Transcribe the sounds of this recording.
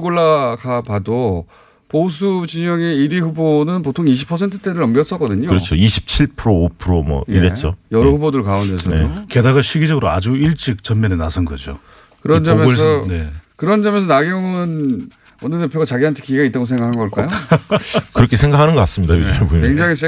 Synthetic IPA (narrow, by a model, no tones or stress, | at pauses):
ɡoɭːakʰapado | pos̬ʰud͡ʑiɲʌɡe̞iɾiɸubonɯnpotʰoŋiɕ̬ʰi̥pʰːʌsʰe̞ntʰɯ̥t͈e̞ɾɯɭʌmɡjʌs͈ʌk͈ʌdɯɲoɯɾʌt͡ɕʰoiɕʰi̥p̚t͡ɕʰiɭpʰɯɾoːpʰɯɾomwʌ̰niɾet͡ɕ͈ojʌɾʌhubodɯɭkaondesʰʌeke̞daɡaɕʰiɡid͡ʑʌɡɯɾoa̰d͡ʑuiɭt͡ɕ͈ik̚t͡ɕʌnmʌnenasʰʌnɡʌd͡ʑo̰ | kɯɾʌnd͡ʑʌomjʌsʰʌne̞kɯɾʌnd͡ʑamjʌns̬ʰʌnaɡjoŋɯɯn | ʌnɯɭdepʰjoɡat͡ɕaɡiɦantʰe̞kiiɡait͈aɡosʰe̞ŋɡakʰanɡʌɭk͈ajo | kɯɾʌkʰesʰe̞ŋɡakʰanɯnɡʌk͈as͈ɯmɲidaepoeŋd͡ʑaŋis̬ʰe